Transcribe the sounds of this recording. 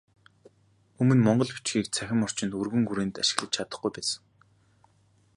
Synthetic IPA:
ɵmɵ̆nmɔɴɢɞ̆ɮpu̥t͡ɕɡiːk̚t͡sʰæxʲɪ̆mɔr̥t͡ɕɪ̆nt̪urɣɵ̆ŋxuɾeːnt̪aʃɪ̆ɣɮə̆t͡ɕt͡ɕʰat̪ə̆χɡujpæːsə̥̆ŋ

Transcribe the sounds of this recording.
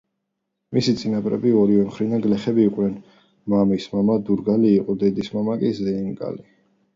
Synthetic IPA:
misit̪sʼinapʼɾɛ̰biɔɾivɛmχɾid̪anɡlɛχɛbiːqʼvnɛn | mamismamad̪uɾɡaliːqʼɔd̪ɛd̪ismamakʼizɛiŋkʼa̰li

